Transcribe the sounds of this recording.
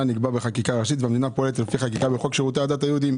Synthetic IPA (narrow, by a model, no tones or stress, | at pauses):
aniɡbabeχakikaʁaʃit̪veamd̪inapoelet̪lefiχakikabeχolkʃeʁut̪̬ead̪at̪ajeud̪im